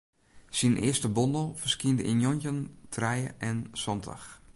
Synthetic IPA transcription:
sinʔɪ̰əstəbondəlˠfərskiəndəʔinjonəntʰrɛjəʔɛnsɔnda̰x

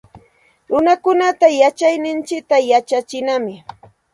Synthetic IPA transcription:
ɾʊnakʊnat̪ajat͡ʃajnɪnt͡ʃɪk̚t̪ajat͡ʃat͡ʃɪnamɪ

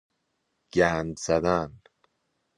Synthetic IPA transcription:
ɡ̥ænd̪zæd̪æn

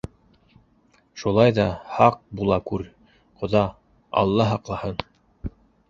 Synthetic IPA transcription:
ʃulˠɑjðɑhɑq̚bulˠɑkʉɾ | qŏðɑ | ɑ̰lˠːɑɦɑqlˠɑhɤn

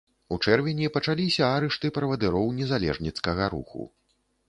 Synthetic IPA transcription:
ut͡ʂɛrvʲɛnʲipɐt͡ʂalʲisʲɐaɾɛʂt̪ɨpɾɐvɐd̪ɨɾɔwnʲɛzalʲɛ̰ʐnʲit̪skɐɣɐɾṵxṵ

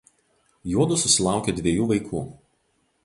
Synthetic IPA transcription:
juɔd̪ʊsʊsʲɪlˠɑˑʊkʲed̪ʲʋʲiɛjuːʋɐɪkʰuː

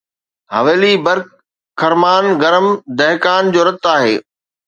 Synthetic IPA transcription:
ɦɐ̰ʋeːlibɐɾkʰː | ɐɾmaːnɡɐɾəmd̪ɐɦkaːnd͡ʑoːɾɐt̪ːaːɦḛː

